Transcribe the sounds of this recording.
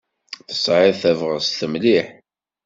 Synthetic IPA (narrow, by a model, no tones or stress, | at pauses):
θə̥sˤʕɪðθævʁəsθəmliħ